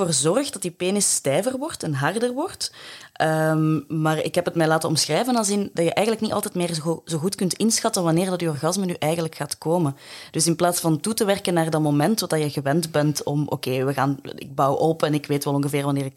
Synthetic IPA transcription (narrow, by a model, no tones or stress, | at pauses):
oːrzɔrxd̥ɑtipeːnɪsːtɛːvərʋɔrtɛnɦɑrdərʋɔrtəmmaːrɪ̰kɦɛpətmɛːlaːtənɔmsxrɛjvənɑlˠzɪndɑjəʔɛjɣənləkniʔɑ̰lˠtɛtmɪːrzoːɣutkɵntɪnsxɑtəʋɑnɪːrdɑtyːɔrɣɑzmənyʔɛjɣənləkxaːtkoːmənd̥ɵsɪnplaːtsfɑntutəʋɛrkənːaːrdɑmomɛntːɔdɑjəɣəʋɛntbɛntɔmʔo̰ːkeːʋəɣaːnɪ̰ɡ̚bɑwɔpɛnɪkʋeːtʋɛlˠɔ̃ŋɣəveːrʋɑnɪːɾɪk